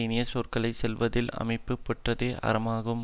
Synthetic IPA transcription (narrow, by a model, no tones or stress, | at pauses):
ɪnɪjɐsoːrkɐɭɐɪsɛlʋɐðɪlɐ̰mɐɪpːɯpːɐʈrɐðeːʔɐ̰ɾɐmaːɣɯm